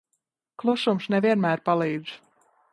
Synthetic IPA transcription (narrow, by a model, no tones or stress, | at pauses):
klˠuʃumsnɛviɛnmæːɾpalˠiːd̪z